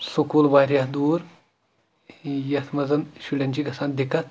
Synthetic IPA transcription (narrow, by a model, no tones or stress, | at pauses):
sukuːlbaːɾʲjaːɦd̪uːɾ | jɐt̪ʰmɐzɐnʃulʲɐnʲd͡ʒiɡɐsaːnd̪ikɐt̪̚